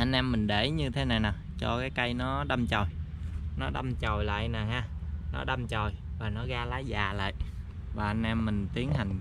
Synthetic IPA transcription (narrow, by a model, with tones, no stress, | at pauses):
ʔa˧nʔɛ˧mːï˨˩ŋ̟ɗe˧˩ɲɨ˧t̪ʰe˨˦na˨˩jnaː˨˩t͡ɕɔ˧kaː˨˦jka˧jnɔ˨˦ɗa˧mt͡ɕɔ˨˩jnɔ˨˦ɗa˧mt͡ɕɔ˨˩jla̰ː˧˨jnaː˨˩haː˧nɔ̰˨˦ɗa˧mt͡ɕɔ˨˩jvaː˨˩nɔ˨˦ɣaː˧laː˨˦jzaː˨˩la̰ː˧˨j | vaː˨˩ʔa˧nʔɛ˧mːï˨˩ŋ̟t̪i˨˦əŋɦa˨˩jŋ̟